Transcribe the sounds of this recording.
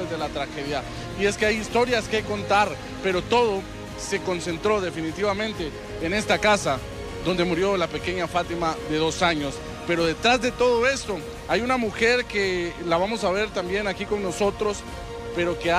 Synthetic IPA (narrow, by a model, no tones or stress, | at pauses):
ezðe̞lat̪ɾaxe̞ðja | ie̞skeajist̪o̞ɾjaskeko̞nt̪aɾ | pe̞ɾo̞t̪o̞ðo̞ | se̞ko̞nse̞nt̪ɾo̞ðe̞finit̪iβamẽ̞nt̪e̞ː | ne̞st̪akasa | ðo̞nd̪e̞muɾjo̞lape̞ke̞ɲafat̪imaðe̞ðo̞saɲo̞s | pe̞ɾo̞ðe̞t̪ɾazðe̞t̪o̞ð̞o̞e̞st̪o̞ | ajunamuxe̞ɾke̞laβamo̞saβ̞e̞ɾt̪ambje̞nakiko̞ŋno̞so̞t̪ɾo̞s | pe̞ɾo̞kea